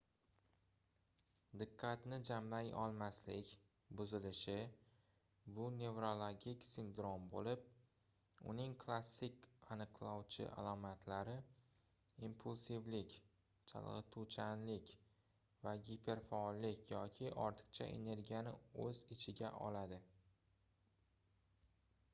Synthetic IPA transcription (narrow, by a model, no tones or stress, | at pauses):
d̪ɪqʰːɑt̪nɪd͡ʒamlajɒ̰lˠmaslɪkʲ | bʊzɪlɪʃɪ | bʊne̞vɾo̞lˠoɡʲikʲsɪnd̪ɾo̞mbolɪp̚ | ʊ̰nɪŋkʰlˠasːɪkʲanɨqlˠɒwt͡ʃʰɪ̰ʔa̰lˠɒmat̪ʰlaɾɪ | impʰulˠsivlɪkʲ | t͡ʃʰa̰lˠʁɨ̰t̪ʰut͡ʃʰanlɪkʲ | vaɡʲipʰe̞ɾfaɒlːɪkʲjɒkʲʰɪʔɒ̰ɾt̪ʰɨ̥qt͡ʃʰa̰ʔe̞̰ne̞ɾɡʲijanɪɵzɪt͡ʃʰɪɡʲa̰ʔɒ̰lad̪ɪ